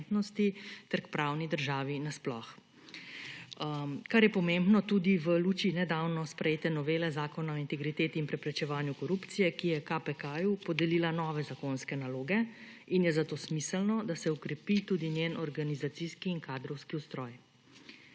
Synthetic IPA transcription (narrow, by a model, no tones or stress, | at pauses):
t̪nɔst̪it̪ɛɾkpɾawnid̪əɾʒaːʋinasplɔx | kaɾjɛpɔmembnɔt̪ud̪iʋəluːt͡ʃiinɛd̪awnɔspɾɛjeːt̪ɛnɔʋeːlɛzaːkɔnaɔint̪ɛɡɾit̪eːt̪iːnpɾɛpɾɛt͡ʃɛʋaːnjukɔɾupt̪sijɛkijɛkapɛkajupɔd̪ɛlilanɔːʋɛzakonskɛnaloːɡɛ | injɛzat̪oːsmisəlnɔd̪asɛukɾɛpit̪uːd̪injenɔɾɡanizat̪siskiːnkaːd̪ɾɔwskiust̪ɾɔːj